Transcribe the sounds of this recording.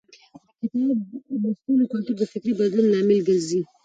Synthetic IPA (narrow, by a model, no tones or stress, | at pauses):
kɪt̪ɑdəst̪ulokalt̪uɾd̪əfɪkɾibad̪lunːɑmɪlɡazi